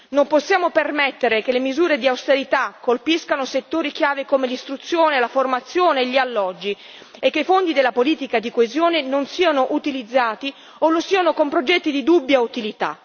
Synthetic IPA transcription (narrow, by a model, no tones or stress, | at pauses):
nomposːjaːmopermɛt̪ːeɾek̟elemizuːɾed̪iawst̪eɾit̪akːolpiskanoset̪ːoːɾik̟jaːvekomelist̪ɾut̪sːjoːnelaformat̪sːjoːneːʎːialːɔd͡ʒːi | ekːeifond̪id̪elːapoliːt̪ikad̪ikoezjoːnenonsiːanoʔut̪ilid̪zːaːt̪i | olosiːanokompɾod͡ʒɛt̪ːid̪id̪ubːjaut̪ilit̪a̰